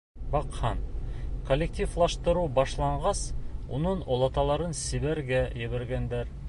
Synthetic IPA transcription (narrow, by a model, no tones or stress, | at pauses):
bɑqhɑnkolʲːek̚tʲiflˠɑʃt̪ɤ̆ɾubɑʃlˠɑɴɢɑsṵnɤɴolˠɑt̪ɑlˠɑɾɤnsiβæɾɡæjɘ̆βæ̆ɾɡænd̪æɾ